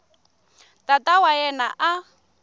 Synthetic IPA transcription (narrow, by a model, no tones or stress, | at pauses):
tʼatʼawaɛnaʔa